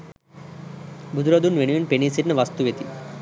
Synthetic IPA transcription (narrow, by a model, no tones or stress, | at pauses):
bʱud͡ʒ̪uɾɐd̪unʋenuʋinpenisiʈnəʋɐst̪uʋet̪i